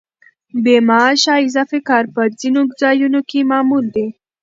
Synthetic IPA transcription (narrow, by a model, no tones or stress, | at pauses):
bemɑʃɑɪzɑfekɑːɾpəd͡zinokzɑjunokemɑːmuld̪e